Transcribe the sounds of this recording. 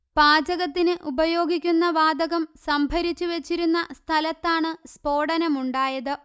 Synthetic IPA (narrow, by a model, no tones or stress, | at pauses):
baːd͡ʑɐɣɐt̪ːinɨʔubɐjo̞ːɡʱikʲːunːɐʋaːd̪ɐɣɐmsɐmbʱɐɾit͡ɕːuʋe̞t͡ɕːiɾunːɐst̪ʰɐlɐt̪ːaːɳɨspo̞ːɽɐnɐmuɳɖaːjɐðɨ